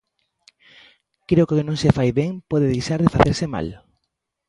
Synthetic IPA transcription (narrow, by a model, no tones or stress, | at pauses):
kɾeʊkokɪnõŋsefajβeŋpɔðeðejʃaɾðɪfaθeɾsɪma̰l